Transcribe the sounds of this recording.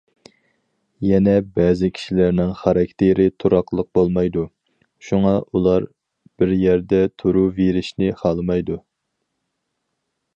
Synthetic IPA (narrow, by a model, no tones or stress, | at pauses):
jɛnɛbɛːzɪkʲʰi̥ʃilæɾnɪŋχɑɾɑkʲt̪ʰeɾɪt̪ʰuɾɑqlˠəq̚bolˠmɑjd̪u | ʃuŋɑʔulˠɑɾ | b̥ɪɾjɛɾd̪ɛt̪ʰuɾuveɾɪʃnɪχɑlˠɨmɑjd̪u